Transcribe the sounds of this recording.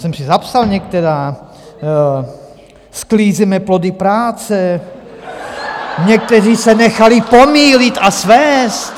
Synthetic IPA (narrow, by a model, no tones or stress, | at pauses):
sɛmsizapsalɲɛk̚t̪ɛɾaː | skliːzɛmɛplɔd̪ipɾaːt͡sɛ | ɲɛk̚t̪ɛriːsɛnɛxalipomiːlit̪asʋɛːst̪